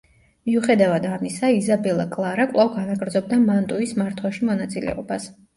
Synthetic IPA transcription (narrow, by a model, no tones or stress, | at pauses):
miuχɛd̪avad̪amisaizabɛlˠakʼlˠaɾakʼlˠavɡanaɡɾd̪zɔb̚d̪amant̪ʼuismaɾt̪ʰwaʃimɔnat̪sʼilɛ̰ɔbas